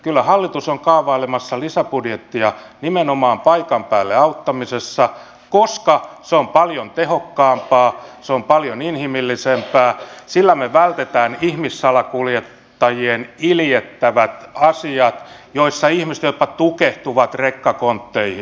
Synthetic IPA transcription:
kylːæhɑlːit̪usoŋkɑːʋɑilemɑsːɑlisæpudjet̪ːiɑnimenomɑːmpɑikɑmpæːlːeɑut̪ːɑmisesːɑ | koskɑseompɑljont̪ehokːɑːmpɑːseompɑljoninhimilːisempæːsilːæmeʋælt̪et̪æːnihmisːɑlɑkuljet̪ːɑjieniljet̪ːæʋæt̪ɑsiɑt̪joisːɑihmisĕ̥t̪jot̪pɑt̪ukeht̪uʋɑt̪rekːɑkont̪ːeihi

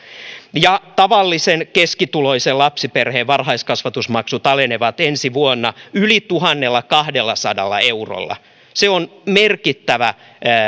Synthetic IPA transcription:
jɑt̪ɑʋɑlːisenkeskit̪uloiselɑpsiperheːʋɑrhɑiskɑsʋɑt̪usmɑksut̪ɑleneʋɑt̪ensiʋuonːɑylit̪uɦɑnːelːɑkɑhdelːɑsɑdɑ̰lːɑ̰euro̰lːɑ̰ | seonmerkit̪ːæʋæ

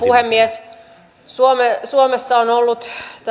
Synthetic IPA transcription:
puhemːies | suomesuomesːɑonolːut̪t̪

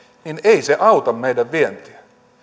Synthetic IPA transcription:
nineiseʔɑut̪ɑmːeijdæʋʋient̪iæ

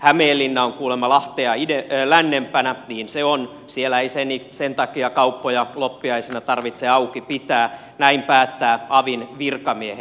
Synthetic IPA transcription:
hæmeːlːinːæoŋkuːlemːɑlɑht̪eɑidelænːempænæniːnseon | sielæeisenisent̪ɑkiɑkɑupːojɑlopːiɑisenɑt̪ɑrʋit̪seɑukipit̪æː | næimpæːt̪ːæːɑʋinʋirkɑmiehe

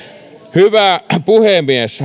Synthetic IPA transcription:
hyʋæˑpuhemiesh

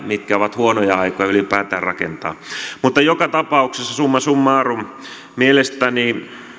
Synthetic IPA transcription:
mit̪kæoʋɑt̪huonojɑɑikojɑylipæːt̪æːrrɑkḛnt̪ɑ̰ːmut̪ːɑjokɑt̪ɑpɑuksesːɑsumːɑsumːɑːrum | mielest̪æni

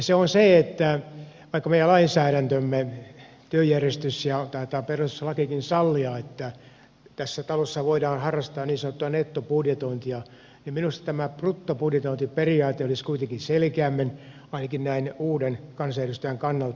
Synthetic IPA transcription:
seonseet̪ːæ | ʋɑikːɑmeijælɑinsæːɾænt̪ømːe | t̪yøjærjest̪ysjɑt̪ɑːt̪ɑperusslɑkikinsɑlːiɑet̪ːæ | t̪æsːæt̪ɑlosːɑʋoidɑːnhɑrːɑst̪ɑːnniːsɑnot̪ːuɑnet̪ːopudjet̪oint̪iɑ | nimminust̪ɑ̥t̪æmæprut̪ːopudjet̪oint̪iperiɑːt̪eoliskuit̪eŋkinselkeæmːen | ɑinɑkinnæinuːdenkɑnsɑjærɾust̪yjæŋkɑnːɑlt̪

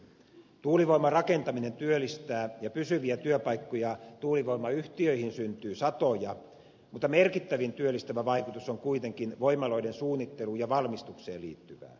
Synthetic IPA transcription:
t̪uːliʋoimɑrɑke̞nt̪ɑmine̞nt̪yølːˑist̪æːjɑpysyʋiæt̪yøpɑjkːojɑt̪uːliʋoimɑyht̪iøihinsynt̪yːsɑt̪ojɑ | mut̪ːˑɑmerkit̪ːæʋint̪yølːˑist̪æʋæʋɑikut̪usoŋkuit̪eŋkinʋoimɑlo̞idensuːnːit̪ːe̞luːjɑʋɑlmist̪uksḛːlḭːt̪ːyʋæ̰ː

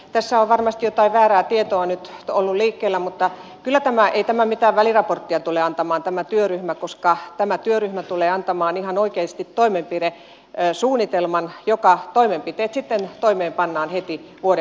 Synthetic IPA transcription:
t̪æsːæoʋʋɑrmɑst̪ijot̪ɑiʋʋæːɾæːt̪iet̪oɑnyt̪olːulliːkːeːlːæmut̪ːɑkylːˑæt̪æmæʔeit̪æmæmit̪æːʋʋælirɑport̪ːiɑt̪uleɑnt̪ɑmɑːnt̪æmæt̪yøryhmækoskɑt̪æmæt̪yøryhmæt̪uleːɑnt̪ɑmɑːnihɑnoikeːst̪it̪toimempire | suːnːit̪elmɑnjokɑt̪oimempit̪eːt̪sit̪ːent̪oimeːmpɑnːɑːnhet̪iʋuoɾe

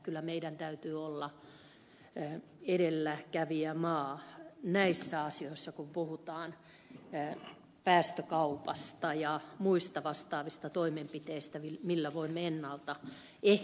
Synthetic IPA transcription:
kylːæmeidænt̪æyt̪yːolːɑ | eɾelːækæʋiæmɑːnæisːæɑsioisːɑkumpuhut̪ɑːn | pæːst̪økɑupɑst̪ɑjɑmuist̪ɑʋɑst̪ɑːʋist̪ɑt̪oimempit̪eist̪æimilːæʋoimːeenːɑlt̪ɑ | e

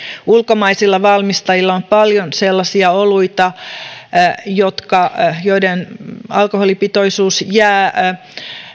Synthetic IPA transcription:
ulkomɑisilːɑʋɑlmist̪ɑjilːɑompɑljonselːɑsiɑoluit̪ɑ | jot̪kɑjoidenɑlkoholipit̪oisuːsjæː

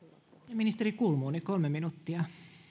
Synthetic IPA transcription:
jɑminist̪eɾikuːlmuːnikolmeminut̪ːiɑ

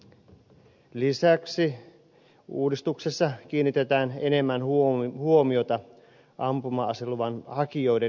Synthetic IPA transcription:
lisæksi | ṵːdist̪uksesːɑk̟iːnːit̪et̪æːne̞ne̞mːænhhuo̞mio̞t̪ɑ | ʔɑmpumɑseluʋɑnhɑkio̞jde̞

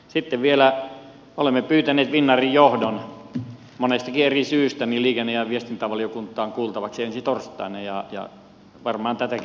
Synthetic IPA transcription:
sit̪ːeʋʋielæ | olemːepyːt̪æneːt̪ʋinːɑrijjohdon | monest̪ɑkierisyːst̪æniliːkenːejæʋʋiest̪int̪æʋɑliokunt̪ˑːɑːŋkuːlt̪ɑʋɑksiensit̪orst̪ːˑɑ̰ˑinejjɑjɑ̰ | ʋɑrmɑɑnt̪æt̪æk

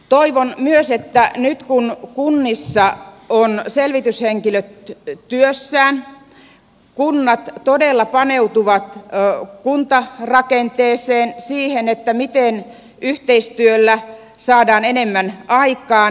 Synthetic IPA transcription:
t̪oiʋonmyøset̪ːænyt̪kunkunːisːɑ | onselʋit̪ysheŋkiløt̪t̪yøsːæːn | kunːɑt̪todelːɑpɑneut̪uʋɑt̪kunt̪ɑrɑkent̪eːseːnsiːhenet̪ːæmit̪en | yht̪eist̪yølːæ | sɑːdɑːnenemːænɑikɑːn

